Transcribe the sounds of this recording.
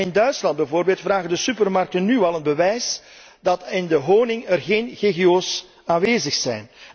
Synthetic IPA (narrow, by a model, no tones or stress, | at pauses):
ɪndœɥtslɑnd̚bɛvoːrbeːlˠtfraːɣəndəsypərmɑrk̚tənːyɑlˠənbəʋɛjs | dɑtɪndəɦoːnɪŋərɣeːnɣeɣeoːs | aːnʋeːzəxsɛjn